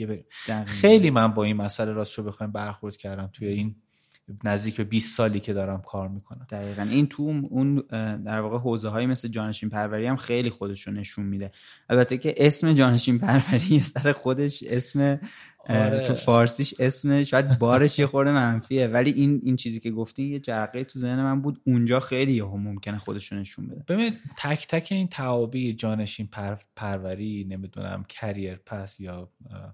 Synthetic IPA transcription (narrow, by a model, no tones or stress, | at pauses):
ebed̪æxe̞jliːmænbɒːinmæsæleɾɒːsʃobexɒjmbæɾxoɾd̪̚cʰæɾd̪æmt̪ʰujein | næzd̪iːcʰbe̞biːsːɒːliːcʰe̞d̪ɒːɾæmkʰɒːɾmiːkʰonæmd̪̥æɣiːɣænʔint̪ʰuund̪æɾvɒːɣeɦoːzeɦɒːjemesled͡ʒɒːne̞ʃinpʰæɾvæɾiæmxe̞jliːxo̞d̪e̞ʃɾone̞ʃunmid̪e̞ | ælbæt̪ʰːecʰe̞ʔesme̞d͡ʒɒːne̞ʃimpʰæɾvæɾijesæɾexo̞d̪e̞ʃe̞sme̞ | ufɒːɾsiːʃe̞smeʃɒːjæd̪̚bɒːɾe̞ʃjexo̞ɾd̪emænfie̞væliʔinint͡ʃʰiːziːcʲe̞ɡoft̪iːmjed͡ʒæɾɣeit̪ʰuze̞hnemænbuːd̪und͡ʒɒːxejlijeɦomomcʲʰe̞nexo̞d̪e̞ʃone̞ʃṵnbed̪eb̥e̞binid̪̚t̪ʰæcʰt̪ʰæcʰe̞iːnt̪ʰæɒːbiːd͡ʒɒːne̞ʃinpʰæɾpʰæɾvæɾine̞mid̪ṵnæ̰mcʰæɾijeɾpʰæsjɒː